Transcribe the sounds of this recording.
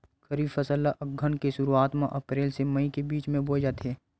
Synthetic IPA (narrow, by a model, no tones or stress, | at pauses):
xəɾiːbfəsəlːaʔəɡʱənkeʃʊɾuaːt̪maʔɐpɾeːlsemɐikebiːt͡ʃmẽboːd͡ʒaːt̪eɦɛː